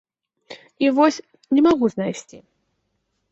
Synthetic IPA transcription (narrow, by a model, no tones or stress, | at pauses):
ivɔsʲ | nʲɪmaɣuznajsʲt͡sʲi